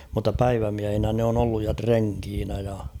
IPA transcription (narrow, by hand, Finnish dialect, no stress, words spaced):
mutːɑ pæiʋæmiæhinæ ne on olːuj jɑ treŋkiːnæ jɑ